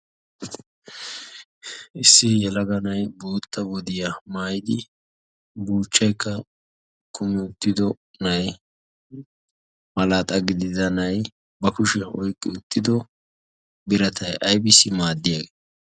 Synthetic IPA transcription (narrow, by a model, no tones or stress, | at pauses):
ʔɪsːɪjɛlɐɡɐnɐjbuːt̪ːɐwɔd̪ɪjɐmaːjɪd̪ɪ | buːt͡ʃːɐjkːɐ | kʰʊmɪʊt̪ːɪd̪ɔ | nɐj | mɐlaːt̪ʼɐɡɪd̪ɪzɐnɐj | bɐkʊʃɛʔɔjkʼːɪʊt̪ʰːɪd̪ɔ | bɪɾɐt̪ʰɐjʔɐjbɪsːɪmaːd̪ːɪjaːɡeː